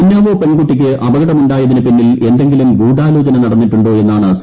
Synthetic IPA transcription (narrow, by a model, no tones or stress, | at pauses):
inːaːʋoːpe̞nɡuʈːikʲːɨʔɐbɐɣɐɽɐmuɳɖaːjɐðinɨpinːile̞nd̪e̞ŋɡilumɡuːɽaːlo̞ːd͡ʑɐnɐnɐɽɐnːiʈːuɳɖo̞ːe̞nːaːɳɨs